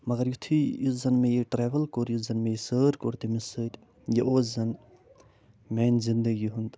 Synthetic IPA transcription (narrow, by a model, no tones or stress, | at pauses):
mɐɡɐɾjut̪ʰijuszɐnmejiʈɾeːʋɐlkoɾjuzɐnmejisəːɾkoɾt̪imisəɾʲ | jeʔoːzɐn | mɛnzind̪ɐɡiɦund̪